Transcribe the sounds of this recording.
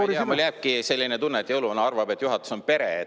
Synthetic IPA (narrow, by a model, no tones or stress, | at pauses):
ɑmuljæːb̚kise̞lʲːinet̪unːet̪ʲːˑiolunɑɑrvɑbe̞t̪ːjuɦɑt̪ːˑu̥so̞npe̞ɾe